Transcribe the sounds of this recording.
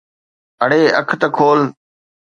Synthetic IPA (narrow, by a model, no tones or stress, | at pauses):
əɽeːəkʰt̪əkʰoːl